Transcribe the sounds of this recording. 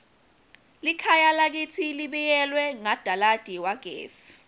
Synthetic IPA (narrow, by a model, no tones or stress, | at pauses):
likʰajalak̬it͡sʰiliɓɛjɛlwɛŋad̥ʱalad̥ʱiwaɡ̥ʱḛːsi̥